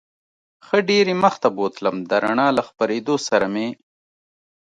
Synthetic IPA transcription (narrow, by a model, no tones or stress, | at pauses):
xəɖeɾiməxt̪abot̪ləmd̪əɾaɳɑːlaxpaɾed̪osaɾame